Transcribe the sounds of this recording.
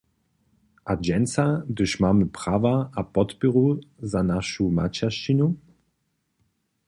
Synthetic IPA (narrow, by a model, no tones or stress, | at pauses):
ʔad͡ʒɛnt͡sad̪əʃmaːməpʁ̥aːvaapɔt̪piʁuzanaʃuma̰t͡ɕaʃt͡ʃinu